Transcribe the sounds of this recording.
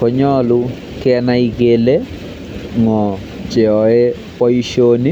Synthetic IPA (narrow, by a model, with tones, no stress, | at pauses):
kɔ˨ɲɔ˦lu˦ | kɪɛ˦nai˦ɡele˦ | ŋɔ˨ | t͡ʃe˨ɔ˨e˦ | pɔ˦i˦ʃoni˦